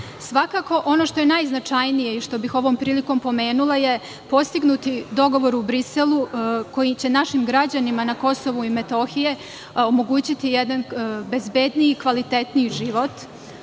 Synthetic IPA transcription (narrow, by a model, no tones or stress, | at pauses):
sʋakaːko̞ʔo̞no̞ʃt̪o̞je̞najznat͡ʂajnije̞iʃt̪o̞bixo̞ʋo̞ːmpɾiːliko̞mpo̞me̞ːnulˠaje̞ | po̞st̪iɡnut̪id̪o̞ɡo̞ʋo̞ɾubɾiselˠuko̞jit͡ɕe̞naʃimɡɾad͡ʑanimanako̞so̞ʋuime̞t̪o̞xije̞ | omo̞ɡuːt͡ɕit̪ijed̪anbe̞zbe̞d̪nijikʋalit̪e̞t̪niʒiʋo̞t̪